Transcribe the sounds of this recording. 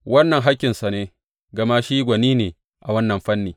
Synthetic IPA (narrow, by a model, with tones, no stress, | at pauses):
wɐ˦nːɐ˨ŋɦa˦kʲːɪ˨nsa˨neː˦ | ɡɐ˨ma˦ʃiː˦ɡʷɐ˨niː˦neː˨ | ʔa˨wɐ˦nːɐ˨mɸɐ˦nːiː˨